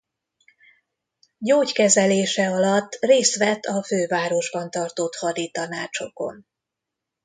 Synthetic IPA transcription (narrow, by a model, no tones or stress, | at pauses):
ɟoːckɛzɛleːʃɛɒlɒt̪ːreːst̪ʋɛt̪ːɒføːvaːɾo̞ʒbɒnt̪ɒrt̪ot̪hɒd̪it̪ɒnaːt͡ʃo̞ko̞̰n